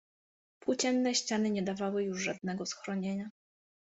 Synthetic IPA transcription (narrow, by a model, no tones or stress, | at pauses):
pwut͡ɕɛnːɛɕt͡ɕanɘɲɛd̪avawɘjuʐʐad̪̚nɛɡɔsxɾɔɲeɲa